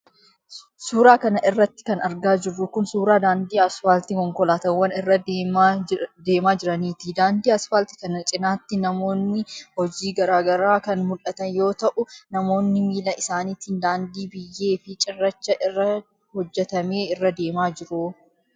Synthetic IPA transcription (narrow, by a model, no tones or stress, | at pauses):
suːɾaːkɐnɐʔɪrːɐt̪ːɪ̥kɐnɐɾɡaːd͡ʒɪrːʊkʊnsuːɾaːd̪aːnd̪iːɐsfalt̪ɪkɔŋkɔlaːt̪ɐwːɐnɪrːɐ | d̪e̞ːmaːd͡ʒɪɾɐniːt̪id̪aːnd̪iːɐsfɐlt̪ɪ̥kɐnɐt͡ʃʼɪnaːt̪ːɪnɐmo̞ːnːɪhɔd͡ʒiːɡɐɾaːɡɐɾaːkɐnmʊlʔɐt̪ɐnjo̞ːt̪ɐʔʊnɐmo̞ːnːɪmiːlɐɪsaːniːt̪ɪnd̪aːnd̪iːbɪjːe̞ːfɪt͡ʃʼɪrːɐt͡ʃːɐʔɪrːɐ | hɔd͡ʒːɛt̪ɐme̞ːɪrːɐd̪e̞ːmaːd͡ʒɪɾuː